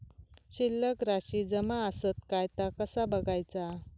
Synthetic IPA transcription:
ɕilːəkɾaɕid͡zəmaəsət̪̚kajt̪akəsabəɡajt͡sa

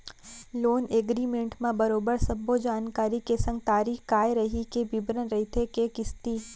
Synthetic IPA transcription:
loːneːɡɾiːmẽɳʈmẽbɐɾoːbəɾsɐbːod͡ʒaːnkaːɾikesɐ̃ŋɡ̚t̪aːɾiːkaːjɾɐɦikebɪbɾənɾɐɦit̪ʰekekɪst̪iː

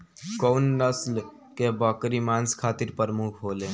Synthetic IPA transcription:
kɔʊnːəsl | kebəkɾimanskʰat̪iɾpəɾmukʰɦole

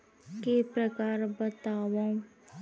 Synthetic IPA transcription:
kepɾəkaːɾbət̪aːʋõ

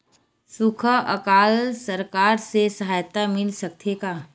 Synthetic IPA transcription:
sukʰəəkaːlsəɾkaːɾsesəɦaːjt̪amɪlsɐk̚t̪ʰekaː

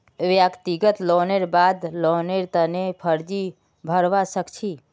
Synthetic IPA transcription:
ʋjəkt̪iɡət̪loneɾbad̪loneɾt̪ənepʰəɾd͡ʒi | bʱəɾʋasəkt͡ʃʰi

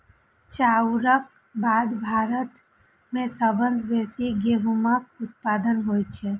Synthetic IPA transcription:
t͡ʃawɾək̚ | baːd̪bʱaːɾət̪ | mẽsəbənsbeːsiɡeɦumək̚ʊt̪̚pad̪ənɦoːjt͡ʃʰe

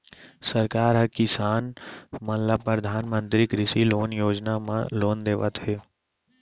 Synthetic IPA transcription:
səɾkaːɾɦəkɪsaːnmə̃nləpɾəd̪ʱaːnmə̃nt̪ɾikɾɪsiloːnjoːd͡ʒnamã̰loːnd̪eːʋə̰t̪ɦeː

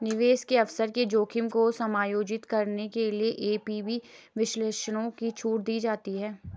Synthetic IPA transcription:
nɪʋeːskeɐʋsəɾked͡ʒoːkʰɪmkosɐmaːjoːd͡ʒɪt̪kɐɾnekelieʔeːpiːbʱiʋɪʃleːʃəɽ̃õkit͡ʃʰuːʈd̪iːd͡ʒaːt̪iɦɛː

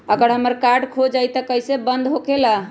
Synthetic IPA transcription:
əɡəɾɦəməɾkaɾɖkʰod͡ʒajt̪əkəjsebənd̪ɦokela

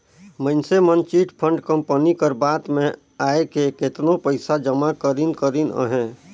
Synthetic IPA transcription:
mənsemənt͡ʃiːʈpʰə̃ɳɖkə̃mpənikəɾbaːt̪mẽ | aːekeket̪nopəɪsad͡ʒəmakəɾinkəɾinə̰ɦɛ̃ː

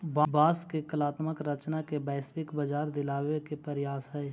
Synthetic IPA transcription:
bbaːskekəlaːt̪məkɾət͡ʃnakebɛːsbɪkbəd͡ʒaːɾd̪ɪlaːwekepəɾjaːsɦɛɛ

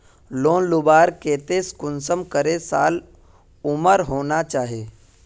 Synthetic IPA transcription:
loːnlʊbaːɾkeːt̪eskʊnsəmkəɾesaːl | ʊməɾɦoːnat͡ʃaːɦeː

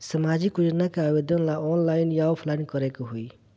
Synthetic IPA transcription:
səmad͡ʒikud͡ʒnakaabed̪ənlaɔnlaɪnjaopʰlaɪnkʌɾekoɦui

